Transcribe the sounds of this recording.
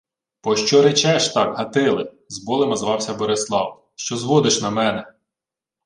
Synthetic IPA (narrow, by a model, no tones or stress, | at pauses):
pɔʃt͡ʃɔɾet͡ʃɛʃt̪ɑkɦɐt̪ɪlˠɪ | zbɔlˠemɐzʋɑwsʲɐbɔɾeslˠɑ̰w | ʃt͡ʃɔzʋɔd̪ɪʃnɐmɛnɛ